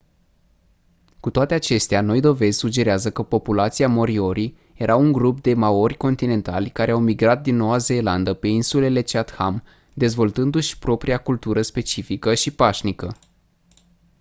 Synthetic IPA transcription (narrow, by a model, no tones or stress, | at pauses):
kut̪oat̪e̞at͡ʃe̞st̪eano̞jd̪o̞ve̞zʲsud͡ʒe̞ɾeazəkəpo̞pulat̪siamo̞ɾio̞ɾi | je̞ɾʔauŋɡɾup̚d̪e̞mao̞rʲko̞nt̪ine̞nt̪a̰lʲkaɾe̞awmiɡɾat̪̚d̪inːo̞waze̞ːland̪əpe̞insule̞le̞t͡ʃeat̪ha̰m | d̪e̞zvo̞lt̪ɨnd̪uʃʲpɾo̞pɾiakult̪uɾəspe̞t͡ʃifikəʃipaʃnikə